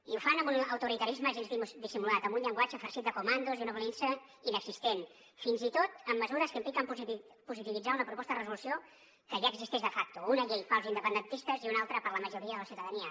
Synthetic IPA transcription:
iufanəmbunəwt̪uɾit̪əɾizməʒinzðimuzd̪isimulat̪əmbunʎəŋɡwat͡ʃəfəɾsit̪̚d̪əkumand̪uziunəβalensə | inəɡzist̪en | finzit̪ot̪əmːəzuɾəskəimplikəmpz | puzit̪iβid͡zaunəpɾupɔst̪əðərəzulusio | kəʒaəɡzist̪eʒðəfak̚t̪uunəʎejfalzind̪əpənd̪ənt̪ist̪əziunalˠt̪ɾəpəɾləməʒuɾiəðələsiwt̪əðəniə

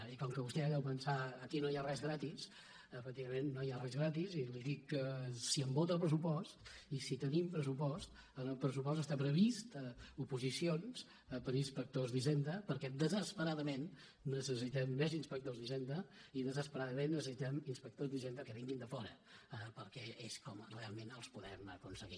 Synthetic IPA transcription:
ikɔŋkəβust̪ɛaðɛwpənsaəkinoiarɛzɣɾat̪is | əfək̚t̪iβəmenːoiarɛzɣɾat̪iziliðikːəsiəmbot̪əlˠpɾəsupɔst̪isit̪ənimpɾəsupɔst̪ | ənəlˠpɾəs̬upɔst̪əst̪apɾəβist̪upuzisions | pəɾinspək̚t̪ozðiʒend̪əpəɾkɛd̪əzəspəɾaðəmenː | əsəsit̪ɛmːezinspək̚t̪ozðiʒend̪əiðəzəspəɾaðəmenːəsəsit̪ɛminspək̚t̪ozðiʒend̪əkəβiŋɡind̪əfɔɾə̰pəɾkɛeskɔmrealˠmenəlˠspuðɛ̰mə̰kunsəɣḭ

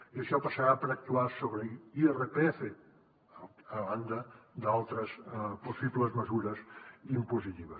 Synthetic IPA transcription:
iəʃɔpəsəɾapəɾək̚t̪uasoβɾəierepeɛfe | əβand̪əd̪alˠt̪ɾəspusibləzməzuɾəzimpuzit̪iβ̞əs

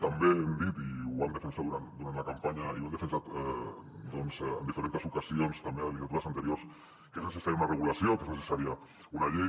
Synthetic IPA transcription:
t̪ambeemd̪it̪iuand̪əfensaðuɾand̪uɾant̪lɐkampaɲaiuand̪əfənsat̪ɛd̪ɔnzɛə̰nd̪ifeɾent̪esukasionst̪ambeðəlit̪at̪uɾasant̪əɾioɾs | keznesesaɾjaunarəɣ̞ulasjokeznəsesaɾia | unaʎej

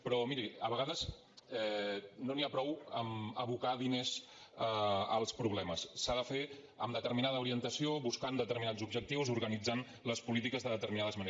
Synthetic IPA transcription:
pɾɔmiɾiəβəɣaðəz | ɛnoniapɾɔwəməβukaðinez | əə̰lˠspɾuβlɛməsːaðəfe | ə̰md̪ət̪əɾminaðəuɾiənt̪əsioβuskand̪ət̪əɾminad͡zzubʒək̚t̪iwzuɾɣənid͡zan | ləspulit̪ikəzðəðət̪əɾminaðəzməne

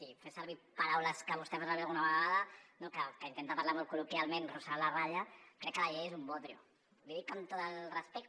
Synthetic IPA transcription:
sifesaɾβipaɾawləskəβ̞ust̪ɛβazaβɛalɣunaβəɣɣaðɐnokəkəint̪ent̪apaɾlamɔlkulukjalmenrusalaraʎakɾɛkːəlaʎejezumbot̪ɾiṵ | liðikamt̪ot̪əlrəspɛk̚t̪

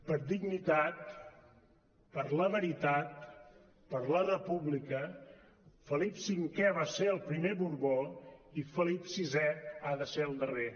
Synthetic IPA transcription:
pəɾd̪iɡnit̪at̪ | pəɾləβəɾit̪at̪̚ | pəɾlərəpuβlikə | fəlipsiŋkɛβaseəlˠpɾimeβuɾβoifəlipsizɛaðəseəlˠd̪əre

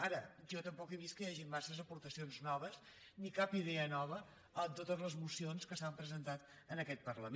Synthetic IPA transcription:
aɾəʒɔt̪əmpɔkeβist̪kəjaʒimmasəzəpuɾt̪əsionznɔβ̞əz | nikapiðɛənɔβ̞ə | ənt̪ot̪əzləzmusionskəsampɾəzənt̪at̪ | ənəkɛt̪̚pərləm

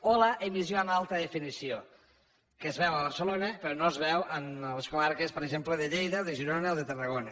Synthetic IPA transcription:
olaʔemizjoamalˠt̪əðefinisio | kezβɛwəβ̞əɾsəlonəpeɾɔnozβɛwʔənleskoβaɾkespəɾeʒempleðeʎejðaðeʒiɾonəlˠðet̪ərəɣona

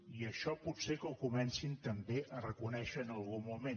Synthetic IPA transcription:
iəʃɔput̪sekəlˠkumɛnsint̪əmbeʔərəkunɛʃəːnəlˠɣumume

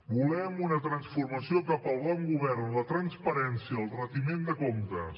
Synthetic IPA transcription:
bulɛmunət̪ɾənsfurməsiokapəlˠβɔŋɡuβɛrnlət̪ɾənspəɾɛnsiəːlˠrət̪imend̪əkomt̪əs

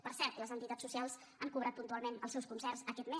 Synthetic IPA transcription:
pəɾsɛɾt̪ləzənt̪it̪at͡sːusialˠz | əŋkuβɾat̪̚punt̪ualˠmenəlˠsɛwskunsɛrsəkɛt̪me

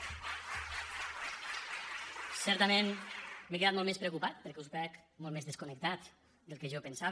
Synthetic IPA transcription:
sɛɾt̪əmẽnmekeat̪molˠmespɾekupat̪̚pəɾkɛuspɛkmɔlt̪mezðeskunək̚t̪at̪ | d̪əlˠkeʒɔpensaβ

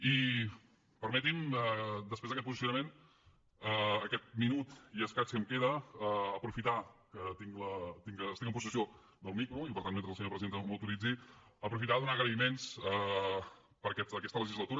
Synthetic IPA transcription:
i | pəɾmɛt̪̬iməd̪əspɾezðəkɛt̪̚puzis̬junəmen | əːkɛt̪̚minut̪iəskat͡ʃkəmkeðəəːpɾufit̪akət̪iŋlət̪iŋəːst̪iŋəmpus̬əsio | d̪əlˠmikɾuipəɾt̪anment̪ɾzəlˠs̬əɲoɾpɾəziðenəməwt̪uɾid͡zi | əpɾufit̪aðunaɣɾəimensə | pəɾkɛt̪əkɛst̪ələʒizlət̪uɾə

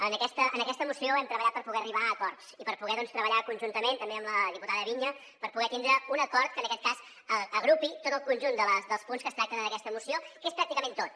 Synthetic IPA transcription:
ənəkɛst̪əənəkɛst̪əmusioɛmt̪ɾəβəʎat̪pəɾpuɣɛəriβ̞aːkɔrt̪sipəɾpuɣɛðɔnst̪ɾəβəʎakunʲʒunt̪əment̪əmbeəmləðiput̪aðəβiɲə | pəɾpuɣɛt̪ind̪ɾəunəkɔɾt̪̚kənəkɛt̪̚kaz | əəɣɾupit̪ot̪əlˠkunʲʒund̪ələsd̪əlˠspunskəst̪ɾak̚t̪ənənəkɛst̪əmusiokespɾak̚t̪ikəment̪ot̪̚

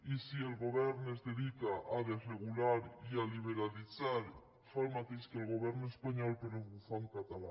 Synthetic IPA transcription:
isielɣoβɛɾnoezðeðikaʔaðereɣ̞ulaɾialiβ̞eɾaliθaɾ | falmat̪ejʃkelɣoβ̞ɛɾnoespaɲɔlpeɾozβuθaŋkat̪ala̰

